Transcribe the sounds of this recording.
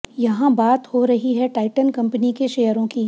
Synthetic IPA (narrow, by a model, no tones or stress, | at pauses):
jɐɦãbaːt̪hoɾɐɦiɦɛʈaːɪʈənkɐ̃mpənikeʃeːjəɾõkiː